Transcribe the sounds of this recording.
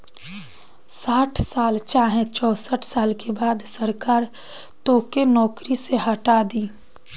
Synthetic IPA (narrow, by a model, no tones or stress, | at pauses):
saːʈʰsaːlt͡ʃaːɦẽt͡ʃɔːsəʈʰsaːlkebaːd̪səɾkaːɾ | t̪oːkenɔːkɾiseɦəʈaːd̪iː